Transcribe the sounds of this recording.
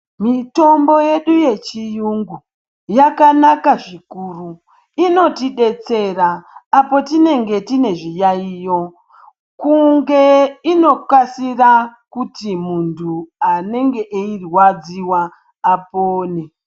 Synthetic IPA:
mito̞mbo̞je̞ɗuje̞t͡ʃijuŋɡu | jakanakaʐikuru | ino̞tiɗe̞t͡se̞raːpo̞tine̞ŋɡe̞tine̞ʐijaiːjo̞ | kuŋɡe̞ino̞kwasirakutimuntʰuane̞ŋɡe̞ʔeirwad͡ziwaː | poːne

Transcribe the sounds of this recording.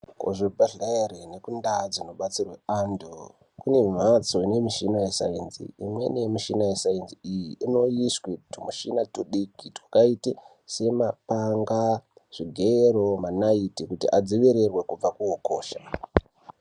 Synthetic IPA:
ko̰ʐibʱaɬaerenekundad͡zino̞ɓat͡sirwe̞ando | kune̞mimat͡soine̞miʃinajesa̰enzḭimwe̞̰nemiʃinajesaenziijiino̞jiswitumuʃinatuɗikitwakaite | se̞mapaŋɡaʐ̥iɡʱeɾo̞manaitikutḭʔad͡ziʋiɾerwe̞kub͡vakuokoːʃa

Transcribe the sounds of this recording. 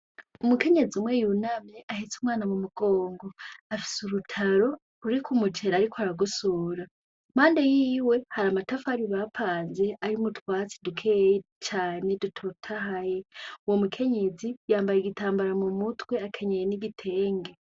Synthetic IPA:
umuke̞ɲe̞zimwe̞junamjeʔahet͡sumwaːnamumuɡ̥o̞ːŋɡo̞afi̥suɾutʰaɾo̞ | uɾikʰumut͡ʃe̞ɾaɾikʰoaɾaɡusuːɾa | maːnde̞jiːwe̞haɾamatafaːɾiβapʰaːnze̞ʔaɾimutwaːt͡sidukʰeːje | t͡ʃaːne̞dutʰotʰahajeuwomukʰe̞ɲe̞zijaːmbajeɡitaːmbaɾamumutwe̞akʰeɲejeniɡitʰe̞ːŋɡe̞

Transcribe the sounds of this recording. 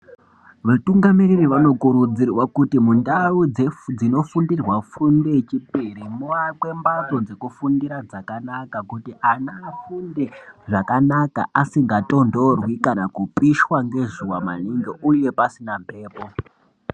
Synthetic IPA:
ʋatuŋɡamiririʋano̞kuɾud͡zirwakutimundaud͡zed͡zino̞fundirwafunde̞t͡ʃipiɾimuʋakwe̞mbad͡zo̞d͡ze̞kufundiɾad͡zakanakakutianaːfunde̞ʐakanaka̰ʔasiŋɡato̞ndo̞rwikanakupiʃwaŋɡe̞ʐuwama̰niŋɡeʔuje̞pasinampe̞ːpo

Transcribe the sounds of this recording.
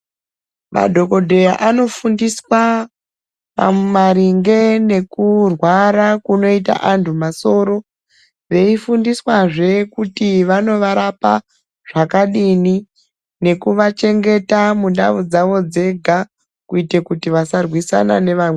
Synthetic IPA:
ma̰dʱo̞ko̞dʱe̞jaʔano̞fundiswa | ʋa̰memaɾiŋɡe̞ne̞kurwaɾakuno̞ita̰ʔantʰumaso̞ɾo̞ | ʋe̞ifundiswaʐe̞kutiʋano̞ʋaɾapa | ʐ̥akaɗini | ne̞kuʋat͡ʃe̞ŋɡe̞tamunɗa̰ʋud͡zaʋo̞d͡ze̞ɡʱa | kuite̞kutiʋasarwisa̰nane̞ʋawe

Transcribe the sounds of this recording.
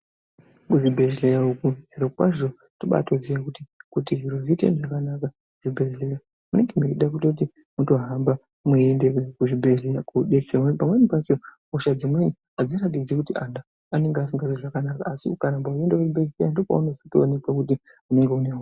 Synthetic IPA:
kuʐibʱeɮlejaukuziɾokwaʐo̞ | toɓa̰toziʋakutikutiʐiɾoʐitḛnʐakanaka | ʐ̥ibʱezleja | mune̞ŋɡemeiɗak̬utot̬i | muto̞ɦamba | mweendekekuʐibʱezlejakuɗeseapamwe̞nipat͡ʃo̞muʃad͡zimweni | ad͡zirat̬id͡zekutiʔandaː | ne̞ŋɡeas̬iŋɡareʐakanaka̰ːsiukaɾambaue̞ndekuʐibʱe̞ɮlejandopa̰uneitoːne̞kakuti | une̞ŋɡe̞unea

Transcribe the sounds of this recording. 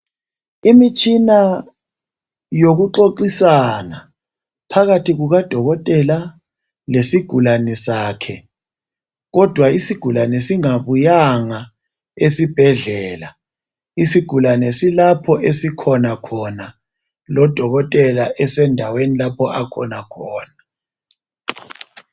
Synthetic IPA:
imit͡ʃʰʼina | joɣuǃoǃisana | pʰaɣatʰiɣuɣad̥ʱɔɣɔtʼɛla | lesiɡ̥ʱulanɛsaːkʰɛ | ɣɔd̥ʱwaisiɡ̥ʱulanɛsiŋaβujaŋa | esib̥ʱɛɮɛːla | isiɡ̥ʱulanɛsilapʰɔʔesikʰɔnakʰɔna | lɔd̥ʱɔɣɔtʼɛlaʔɛsɛndʱawenilapʰɔʔakʰɔnakʰɔːna

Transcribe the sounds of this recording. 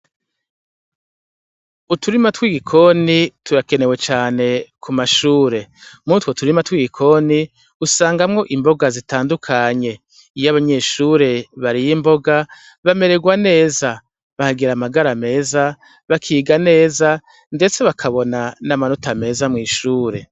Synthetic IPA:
utʰuɾimatwiɡikʰo̞nituɾake̞ne̞we̞t͡ʃaːne̞kʰumaʃuːɾe̞mutwotuɾimatwiɡikʰo̞ni | usaːŋɡamŋo̞ʔimbo̞ɡazitaːndukʰaɲe̞ | ijaβaɲe̞ːʃuːɾe̞βaɾijimbo̞ɡa | βame̞ɾe̞ɡwane̞ːza | βahaɡiɾamaɡaɾame̞ːza | βakʰiːɡane̞ːza | nde̞t͡se̞βakʰaβo̞nanamanotame̞ːzamŋiːʃuːɾe̞

